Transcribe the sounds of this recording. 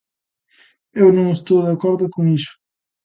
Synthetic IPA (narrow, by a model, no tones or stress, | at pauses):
ewnõŋest̪owðakɔɾðʊkʊŋisʊ̥